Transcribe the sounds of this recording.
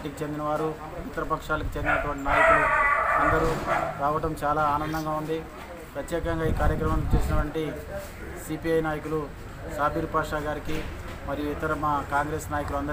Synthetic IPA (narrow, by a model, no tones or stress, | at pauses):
ʈikit͡ʃe̞nd̪inɐʋaːɾu | it̪ɐɾɐpɐkʂaːlɐkit͡ʃe̞nd̪inɐʈʋɐɳʈinaːjɐkuluɐnd̪ɐɾuɾaːʋɐʈɐmt͡ʃaːlaːaːnɐnd̪ɐŋɡaːund̪i | pɾɐt̪jɛːkɐŋɡaːiːkaːɾjɐkɾɐmɐmit͡ʃeːsinɐʈɐɳʈi | sipiɐjnaːjɐk̬ulu | saːbʱiːɾpaːʂaːɡaːɾiki | mɐɾijuit̪ɐɾɐmaːkaːŋɡɾeːsnaːjɐkuluɐnd̪ɐ